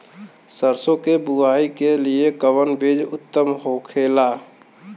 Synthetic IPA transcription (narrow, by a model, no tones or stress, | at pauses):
səɾsõkebuaːikeliekəwənbed͡ʒʊt̪ːəmɦokʰeːlaː